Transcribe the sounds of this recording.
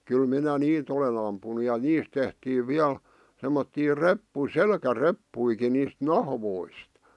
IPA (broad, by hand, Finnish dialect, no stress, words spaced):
kyl minæ niːt olen ɑmpunu jɑ niːst tehtiːʋ ʋiæl semːotːiː repːu selkærepːuiki niːst nɑhʋoist